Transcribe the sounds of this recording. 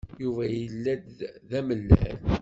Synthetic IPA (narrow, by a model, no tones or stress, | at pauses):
juvæjəlːæd̪ðæməlːæ̰n